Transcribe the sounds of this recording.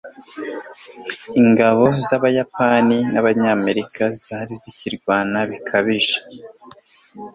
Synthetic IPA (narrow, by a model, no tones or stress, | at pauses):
iŋɡaβo̞zaβajapaninaβaɲaːme̞ɾikazaːɾiziciɾɡwaːnaβikʰaβiʒe̥